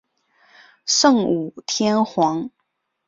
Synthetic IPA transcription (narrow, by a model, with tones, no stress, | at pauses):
ʂɤ˥˩ŋu˨˩t̪ʰjɛ˥nxwɑ˧˥ŋ